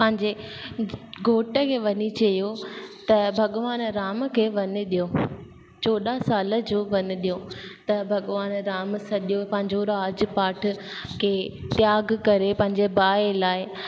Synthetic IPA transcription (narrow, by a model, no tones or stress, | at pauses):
pɐ̃ɦɪ̃ɲd͡ʑe | ɡʱoːʈəkʰeːʋɐɲit͡ɕɐijot̪ɐbʱɐɠʋaːnɾaːmkʰeːʋɐɲʊ̆ɗijoː | t͡ɕoːɗasaːlə̆d͡ʑoːʋɐɲʊ̆ɗijot̪ɐbʱɐɠʋaːnɾaːmsɐɗjopɐ̃ɦɪ̃ɲd͡ʑoɾaːd͡ʑpaːʈʰʊkʰeːt̪jaːɡkɐɾepɐ̃ɦɪ̃ɲd͡ʑebaːelaːɪ